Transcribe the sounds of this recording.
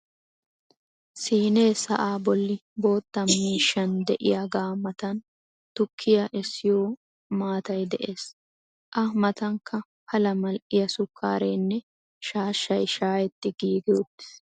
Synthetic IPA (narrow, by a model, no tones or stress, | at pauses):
siːne̞ːsɐ̰ʔaːbɔlːɪbo̞ːt̪ːɐmiːʃːɐnd̪ɛʔɪjaɡaːmɐt̪ɐn | t̪ʊkʰːɪjɐʔɛsːɪjoː | maːt̪ɐjd̪ɛʔe̞ːs | ʔɐmɐt̪ɐŋkʰːɐ | hɐlɐmɐlʔɪjɐsʊkʰːaːɾeːnːɛ | ʃaːʃːɐjʃaːjɛt̪ːɪɡiːɡɪɔt̪ːɪ̥s